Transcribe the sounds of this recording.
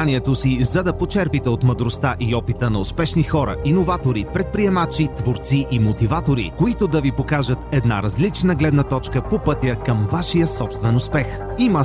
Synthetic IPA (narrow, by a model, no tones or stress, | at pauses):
niɛt̪osizɐd̪ɐpot͡ʃɛɾpit̪ɛot̪məd̪ɾost̪aʔiɔpit̪ənɐʊspɛʃnixɔɾə̰ʔinovat̪oɾipɾɛt̪̚pɾiɛmat͡ʃit̪voɾt̪siʔimot̪ivat̪oɾḭkoit̪od̪ɐvipokaʒət̪ɛd̪naɾɐzlit͡ʃnəɡlɛd̪nət̪ɔt͡ʃkəpopɤt̪ʲəkəmvaʃijəsɔpst̪vɛnʊspɛx | imə